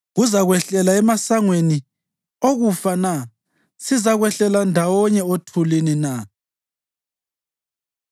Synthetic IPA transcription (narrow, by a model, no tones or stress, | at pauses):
ɣuzaɣwɛɬɛlaɛmasaŋweni | oɣufana | sizaɣwɛɬɛlandʱawɔɲɛotʰulinina